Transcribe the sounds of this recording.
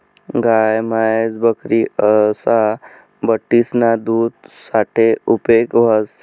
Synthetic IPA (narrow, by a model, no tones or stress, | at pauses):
ɡajmaed͡zbəkɾiəsa | bəʈːisnad̪uːd̪saʈʰeupekʋʱaz